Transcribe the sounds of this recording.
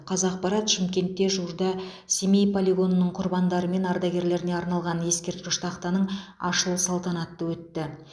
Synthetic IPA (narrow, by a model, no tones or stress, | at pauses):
qʰɑzɑq̚pɑɾɑt̪ʃɪmkʲe̞nt̪ːe̞ʒuɾd̪ɑ | sʲemejpʰolʲiɡo̞nənəɴqʰʊɾbɑnd̪ɑɾəme̞nɑɾd̪ɑɡʲe̞ɾle̞ɾɪne̞ɑɾnɑlˠʁɑnje̞skʲe̞ɾt̪̚kʲɪʃt̪ʰɑqt̪ɑnəɴɑ̰ʃəlˠəsɑlˠt̪ɑnɑt̪ːəwɵt̪ːɪ